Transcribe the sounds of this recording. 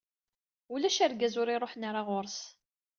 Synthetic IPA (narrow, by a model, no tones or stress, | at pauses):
ulæʃæɾɡæzʊɾiɾˤoħnaɾˤaʁoɾs